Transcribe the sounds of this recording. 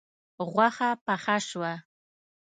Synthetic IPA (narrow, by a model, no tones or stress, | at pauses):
ʁʷaχapaχaʂwa